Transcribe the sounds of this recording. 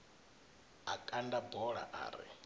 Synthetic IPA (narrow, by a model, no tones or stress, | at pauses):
akʼandabɔɺa̰ʔa̰ːɾḭ